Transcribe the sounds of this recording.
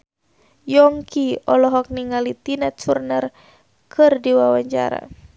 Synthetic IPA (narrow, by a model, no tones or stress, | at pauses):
jɔŋkiɔlɔɦɔk̚niŋalit̪inɛt̪̚surnər | kʰɨrdiwawaɲt͡ʃa̰ɾa̰